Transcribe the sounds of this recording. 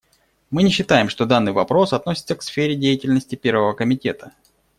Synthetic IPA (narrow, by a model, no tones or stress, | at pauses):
mɨnʲɪɕːɪt̪ajɪmʂt̪od̪anːɨjvɐpɾo̞sɐt̪nosʲɪt̪səksfʲeɾʲɪdʲejɪtʲɪlʲnəsʲtʲɪpʲe̞ɾvəvəkəmʲɪtʲe̞t̪ə